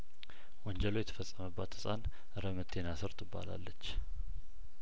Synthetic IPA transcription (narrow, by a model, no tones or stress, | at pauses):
wɔɲd͡ʒəlojɛt̪ʰə̥fəsʼːəməbːat̪ɨ̥sʼan | ɾəmət̪ʰːe̞nasɨɾt̪ʼɨbːa̰la̰lːət͡ʃː